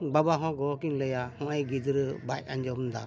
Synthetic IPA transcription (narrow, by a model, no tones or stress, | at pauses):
babaɦɔ̃ɡɔkiɲləjahɔ̃ʔajɡid̪ɾbajaɲd͡ʒɔnd̪a